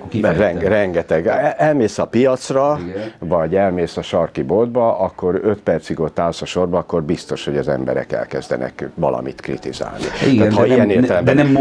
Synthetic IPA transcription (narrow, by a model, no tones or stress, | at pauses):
rɛŋrɛŋɡɛt̪ɛɡɛlmeːsɒpijɒt̪srɒvɒɟɛlmeːsɒʃɒrkibo̞ld̪̚bɒʔɒkːo̞ɾøt̪pɛrt̪siɡot̪ːaːlsɒʃo̞rbɒːkːo̞rbist̪o̞ʃho̞ɟɒzɛmbɛ̰ɾɛ̰kɛ̰lkɛzd̪ɛ̰nɛ̰kʋɒ̰lɒ̰mit̪krḭt̪iza̰ːlnḭt̪aːt̪hɒijɛneːrt̪ɛlɛmbnɛ